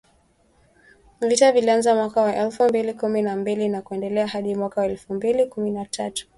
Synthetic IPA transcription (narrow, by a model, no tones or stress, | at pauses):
vitavilianzamwakawaʔɛlfumbilikuminambilinakuɛndɛlɛahaɗimwakawaɛlfumbilikuminatʰatu̥